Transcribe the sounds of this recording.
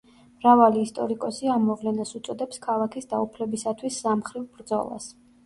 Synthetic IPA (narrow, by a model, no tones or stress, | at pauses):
mɾavaliːst̪ʼɔɾikʼɔsiamːɔvlɛnasut̪sʼɔd̪ɛpskʰalˠakʰisd̪aupʰlɛbisat̪ʰwisːamχɾivbɾd̪zɔ̰lˠa̰s